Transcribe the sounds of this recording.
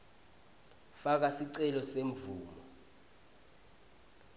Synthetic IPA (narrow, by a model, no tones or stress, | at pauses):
fak̬asiǀɛlɔseɱvuːmɔ